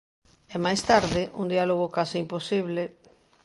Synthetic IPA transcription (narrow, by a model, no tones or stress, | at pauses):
ɛmajst̪aɾðɪʔund̪ialoɣ̞okasɪimposiβle